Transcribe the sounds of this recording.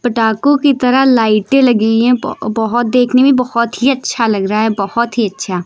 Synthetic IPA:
pəʈaːkõkit̪ɐɾalaːɪʈẽlɐɡiɛ̃bɔɦɔt̪̚d̪eːkʰnebʱibɐhɔt̪ɦiɐtːʃʰalɐɡɾaɦɛbɔhɔt̪ɦiɐtːʃʰaː

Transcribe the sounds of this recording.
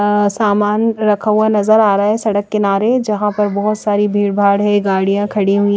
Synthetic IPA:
saːmaːnɾɐkʰaanɐzəɾaːɾaaɦɛsɐɽəkːɪnaːɾed͡ʒɐɦãpɐɾbɔɦɔt̪saːɾibʱiːɽbʱaːɽɦɛ̃ɡaːɽijãkʰɐɽiɦuʊi

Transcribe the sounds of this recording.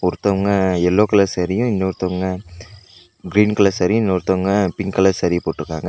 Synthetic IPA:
ʊɾɯt̪ːɐʋɐŋɡɐɛlːoːkɐlɐːsɐɾɪjʊ̃ɪnːɐʊɾɯt̪ːɐʋɐŋɡɐ | ɡɾiːnklasɐɾɪjʊ̃ɪnːɐɾɯt̪ːɐʋɐŋɡɐpɪŋkɐlɐsɐɾijɐpoːʈːɯɾɯkːa̰ːŋɡɐ

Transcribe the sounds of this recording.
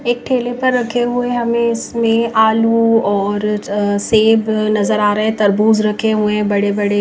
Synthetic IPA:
eːk̚ʈʰeːlepɐɾːɐkʰeɦʊeɦɐmẽɪsmẽʔaːluɔːɾseːbnɐzəɾaːɾɐɦɛ̃t̪ɐɾbuːzɾɐkʰeɦuẽɦɛ̃bɐɽebɐɽe

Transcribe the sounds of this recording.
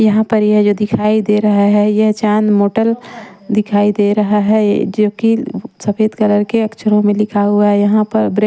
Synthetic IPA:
jɐɦãpɐɾjed͡ʒoːd̪ɪkʰaːid̪eɾɐɦaɦɛjɐɦt͡ʃaːnmoːʈəl | d̪ɪkʰaːid̪eːɾɐɦaɦɛd͡ʒoːkisɐfʰeːd̪kɐləɾkeɐkt͡ʃʰəɾõmẽlɪkʰaɦʊaɦɛjɐɦãpɐɾbɾe

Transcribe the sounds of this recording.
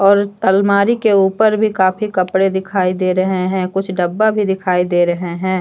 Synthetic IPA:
ɔːɾəlmaːɾikeuːpəɾbʱikaːfikɐpɽed̪ɪkʰaːid̪eːɾɐɦeɦɛ̃ːkʊt͡ʃʰɖɐbːabʱid̪ɪkʰaːid̪eːɾɐɦeɦɛ̃ː

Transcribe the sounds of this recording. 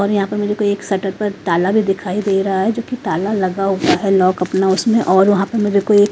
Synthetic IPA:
ɔːɾjɐɦãpɐɾmeːɾekoeːksɐʈəɾpɐɾt̪aːlabʱid̪ɪkʰaːid̪eːiɾɐɦaɦɛd͡ʒoːkit̪aːlalɐɡaɦot̪aɦɛlɔːkɐpnaʊsmẽʔɔːɾʋɐɦãpɐɾmeːɾekoeːk

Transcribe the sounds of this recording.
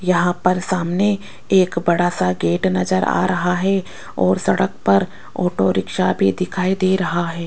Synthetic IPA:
jɐɦãpɐɾsaːmne | eːkbɐɽaːsaɡeːʈnɐzəɾa̰ːɾɐɦaɦɛ | ɔːɾsɐɽək̚pɐɾ | ɔːʈoɾɪkʃabʱid̪ɪkʰaːid̪eːɾɐɦaɦɛː

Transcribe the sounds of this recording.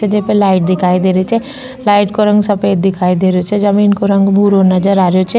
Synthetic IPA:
ed͡ʒepelaːɪʈ̚d̪ɪkʰaːid̪eːɾet͡ʃʰɛ | laːɪʈkoɾɐ̃ŋɡsɐpeːd̪̚ːɪkʰaːid̪eːɾot͡ʃʰɛd͡ʒɐmiːnkoɾɐ̃ŋɡbʱuːɾɦonɐd͡ʒəɾaːɾjot͡ʃʰɛ

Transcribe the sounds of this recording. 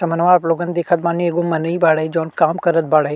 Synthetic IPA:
sɐm̤ənʋaːploːɡənɪ̆d̪eːkʰət̪mãːneɠomɐnəibaːɽəɦid͡ʑoːnkaːmkɐɾət̪̚bʱaːɽəɦe

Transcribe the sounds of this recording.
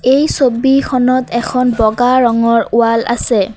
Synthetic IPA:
ejsobikʰɔnɔtɛkʰɔnbɔɡaɹɔŋɔɹʊala̰sɛ

